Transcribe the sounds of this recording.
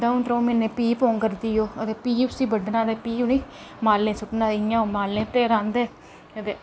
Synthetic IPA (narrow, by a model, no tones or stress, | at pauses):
d̪aũnt̪ɾõːmenẽːpiːpoːŋkəɾd̪iːjoːət̪eːpiːʊsiːbəɖnaːd̪eːpiːuniː | maːlːẽːsʊʈnãːɪjãːoːmaːlẽːt̪eːɾãːnd̪eː | ət̪eː